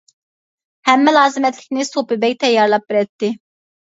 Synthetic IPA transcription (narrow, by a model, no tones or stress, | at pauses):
hɛmːɛlɑːzɨmɛt̪lɪ̥kʲnɪsopɪbɛjʲt̪ʰɛjɑɾlˠɑp̚biɾɛt̪ːi